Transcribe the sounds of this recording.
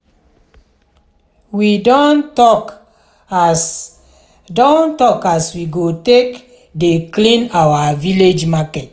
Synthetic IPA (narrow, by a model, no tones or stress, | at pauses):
widɔntɔk | dɔ̃ntɔkaswiɡotek | deklĩnawaviled͡ʒmakɛt